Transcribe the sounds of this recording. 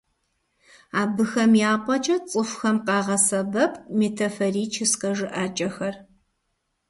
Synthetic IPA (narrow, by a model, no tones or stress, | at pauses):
aːbɨxɐmjaːpʷʼɐt͡ʃʼɐt͡sʼɨfʷxɐmqɑːʁɐsɐbɐpʰʼmeːtʰɐfɐriːt͡ʃʰɪsqɐʒɨʔaːt͡ʃʼɐxɐr